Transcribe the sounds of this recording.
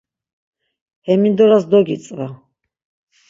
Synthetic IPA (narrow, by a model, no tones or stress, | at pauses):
hɛmind̪ɔɾasd̪ɔɡit̪t͡s̪ʼva